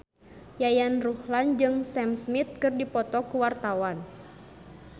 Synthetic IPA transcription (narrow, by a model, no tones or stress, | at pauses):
jajanruhland͡ʒɨŋsɛmsmit̪̚kɨrdipɔt̪ɔkuwart̪awan